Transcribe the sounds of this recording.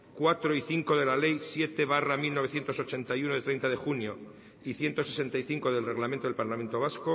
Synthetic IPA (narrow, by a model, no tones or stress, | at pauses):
kwat̪ɾo̞iθiŋko̞ðe̞lale̞jsje̞t̪e̞βaramilnoe̞θjnt̪o̞so̞t͡ʃe̞nt̪ajunoðet̪ɾe̞jnt̪aðe̞xunjo̞ | iθje̞nt̪o̞sese̞nt̪ajθiŋko̞ðelre̞ɣlament̪oelpaɾlament̪o̞β̞asko